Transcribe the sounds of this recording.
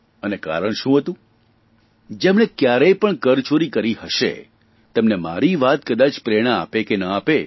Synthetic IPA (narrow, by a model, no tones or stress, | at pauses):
əneka̰ɾəɳ̃ʃũɦət̪ũ | d͡ʒemɽ̃ekjaɾejpəɳkəɾt͡ʃoɾikəɾihəʃḛ | t̪əmnema̰ɾiʋat̪̚kəd̪at͡ʃpɾeɽ̃aa̰pekenəape